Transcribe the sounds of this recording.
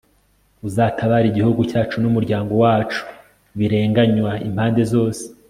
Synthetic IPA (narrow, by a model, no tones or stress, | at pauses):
uzaːtʰaβaɾiɟihuɡucaːt͡ʃunumuɾɟaːŋɡo̞waːt͡ʃu̥ | βiɾe̞ːŋɡaɲwaim̥haːnde̞zo̞ːse̥